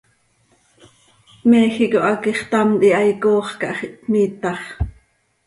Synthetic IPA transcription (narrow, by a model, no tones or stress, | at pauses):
mɛːxikoʔɑkiχt̪ɑmt̪iɑjkoːχkɑʔχiʔt̪miːt̪ɑχ